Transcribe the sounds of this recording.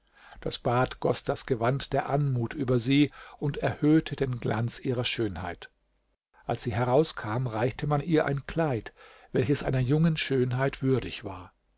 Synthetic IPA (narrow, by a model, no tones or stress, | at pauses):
d̥a̰sb̥aːtɡ̥ɔ̰sd̥asɡ̥əvantd̥eːɐʔanmuːtʔyːbɐziːʊntɛɐhøːtʰədeːnɡla̰nt͡sʔiːʁ̞ɐʃøːnha̰ɪt | ʔalsz̥iːɦɛʁaʊskʰaːmʁaɪçtʰəmanʔiːɐʔa̰ɪnkl̥aɪt | v̥ɛlçəsʔa̰ɪnɐjʊŋənʃøːnɦaɪtv̥ʏɐdɪçv̥aːɐ